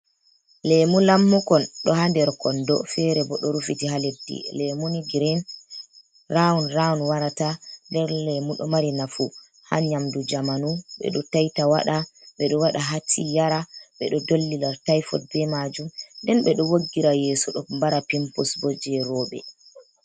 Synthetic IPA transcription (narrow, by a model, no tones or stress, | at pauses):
lɛmulamːukɔnɗɔhandɛɾkɔndɔ̰fɛɾɛbɔɗɔɾufitihaledḭlɛmuniɡɾɛn | raɔnɾaɔnwaɾatandɛɾlɛmuɗɔmaɾinafu | ha̰ɲamdud͡ʒamanuɓɛ̰ɗɔtajtawa̰ɗaɓɛɗɔwaɗaɦatʰijaɾaɓɛ̰ɗɔdolːilaɾtajfɔ̰t̚bɛmad͡ʒumndɛnɓɛɗɔwoɡːiɾajɛːsɔɗɔmbaɾapimpusbɔd͡ʒɛɾɔːɓɛ̰